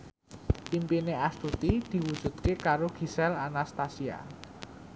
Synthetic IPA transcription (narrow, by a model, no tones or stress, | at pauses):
impineast̪ut̪id̪̥i̤wud̥ʒ̥ṳd̪̥̚kekaɾoɡ̥i̤sɛlanast̪asia̰